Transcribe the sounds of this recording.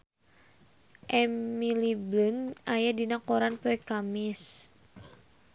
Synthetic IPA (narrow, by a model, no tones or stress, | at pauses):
ʔɛmiliblunajadinakoɾanpɛɛkamɪs